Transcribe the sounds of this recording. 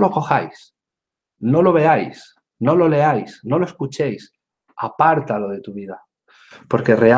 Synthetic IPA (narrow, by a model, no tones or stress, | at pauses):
lo̞ko̞xa̰js | no̞lo̞β̞e̞ajs | no̞lo̞le̞ajsno̞loeskut͡ʃe̞js | apaɾt̪alo̞ð̞e̞t̪uβiða | po̞ɾke̞re̞a